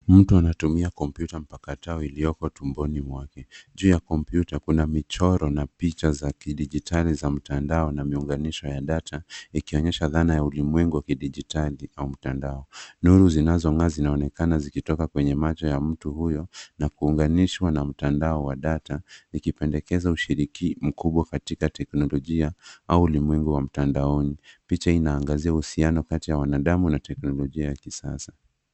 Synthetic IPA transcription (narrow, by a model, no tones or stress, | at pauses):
m̩tuanatumiakɔmpjutam̩pakataɔilijɔkɔtumbɔnimwakɛʄuːjakɔmpjutakunamit͡ʃɔɾɔnapit͡ʃazakiɗiʄitʰalizam̩tandaɔnamiuŋɡaniʃɔjaɗatʰaikiɔɲɛʃaðanajaulimwɛŋɡuwakiɗiʄitaliaum̩tandaɔnuɾuzinazɔŋaːzinaɔnɛkanazikitɔkakwɛɲɛmat͡ʃɔjam̩tuhujɔnakuːŋɡaniʃwanam̩tandaɔwaɗataikipɛndɛkɛzauʃiɾikim̩kuɓwakatikatɛknɔlɔʄiaauulimwɛŋɡuwam̩tandaɔnipit͡ʃainaːŋɡaziahusianɔkatijawanaɗamunatɛknɔlɔʄiajakisasḁ